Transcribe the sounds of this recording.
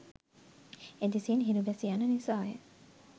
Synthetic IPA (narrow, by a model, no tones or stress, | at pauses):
ed̪isiːnɦiɾubæsiɐnənisaːjḛ